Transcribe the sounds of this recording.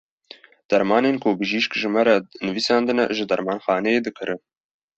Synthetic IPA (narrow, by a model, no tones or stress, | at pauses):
d̪̥ɛɾmɑːneːnkʰobɨʒiːʃkʒɨmæɾɛnɨviːsɑːnd̪ɨnɛ̰ʒɨd̪ɛɾmɑːnxɑːnɛeːd̪ɨkʰɨɾʔɨn